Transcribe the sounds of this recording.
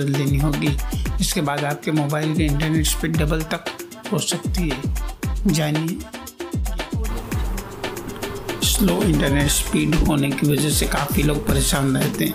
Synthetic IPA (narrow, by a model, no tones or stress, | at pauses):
ld̪eːniɦoːɡiɪskebaːd̪aːp̚kemoːbaːɪlkiɪ̃ɳʈəɾneːʈspiːɖɖɐbəlt̪ɐk | ɦoːsɐk̚t̪iɦɛːd͡ʒaːni | sloːɪ̃ɳʈəɾneːʈspiːɖɦoːnekiʋɐd͡ʒəɦsekaːfiloːɡ̚pɐɾeːʃaːnɾɛɦt̪eɦɛ̃ː